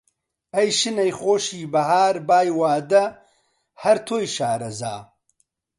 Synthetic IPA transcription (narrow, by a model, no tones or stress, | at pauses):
ɐjʃɨnɐjχoːʃiːbɐhaːɾbaːjwaːd̪ɐ | hɐɾt̪ʰoːjʃaːɾɐza̰ː